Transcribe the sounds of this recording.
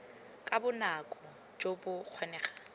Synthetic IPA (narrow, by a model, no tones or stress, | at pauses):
kʼabʊnakʼɔ | d͡ʒobʊq͡χʰwanɛːχḁ